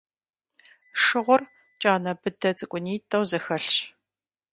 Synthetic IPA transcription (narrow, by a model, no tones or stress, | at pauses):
ʂɨʁʷʊr | t͡ʃʼaːnɐbɨdɐt͡sʼɨkʷʼʊniːtʰʼɐwzɐxɐɬɕ